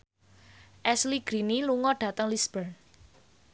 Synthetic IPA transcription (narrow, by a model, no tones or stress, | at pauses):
ʔɛsliɡ̥ɾiniluŋɔɖ̥ä̤t̪əŋlisb̥ərn